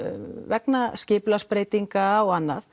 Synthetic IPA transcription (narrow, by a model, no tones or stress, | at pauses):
vɛknascɪːplaspɾeːjt̪iŋkawanːa̰θ